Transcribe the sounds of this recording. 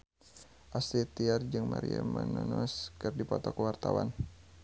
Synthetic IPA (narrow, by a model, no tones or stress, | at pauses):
ʔasit̪iard͡ʒɨŋmaɾiamanunɔskɨrdipɔt̪ɔkəwart̪awan